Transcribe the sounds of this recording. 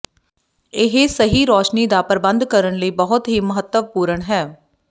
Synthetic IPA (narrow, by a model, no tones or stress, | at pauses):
ɪɦesəɦiːɾoːʃniːd̪aːpəɾbənd̪kəɾəɳləiːbəɦʊt̪ɦiːməɦət̪ːəʋpuːɾəɳɦɛː